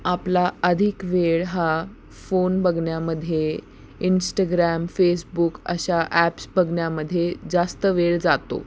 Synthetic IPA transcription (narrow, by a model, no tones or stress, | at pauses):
aplaəd̪ʱikʋeɭɦa | fonbʱəɡʱɳjaməd̪ʱːje | insʈaɡɾæmfesbukə̰ɕaʔæpsbʱəɡɳjaməd̪ʱːjed͡zast̪əʋeɭd͡zat̪o̰